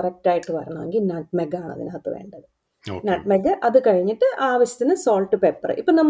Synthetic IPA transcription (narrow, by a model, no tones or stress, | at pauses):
rɐk̚ʈaːjiʈːɨpɐ̰ɾɐ̰ɳːɐʋeŋɡilnaːʈmeɡaːɳɐ̰ðḭnɨɦɐt̪ːɐʋḛːɳɖɐðɨ | naːʈmeɡɐʔɐðɨkɐɻiɲːiʈːɨʔaːʋɐɕjɐ̥t̪ːinɨsoːlʈːɨpepːɐ̰rɨ̰ʔipːoːnɐmː